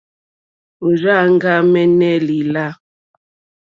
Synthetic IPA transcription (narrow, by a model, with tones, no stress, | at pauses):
u˨ɾa˦ŋ˦ɡa˦mɛ˦nɛ˦li˨la˦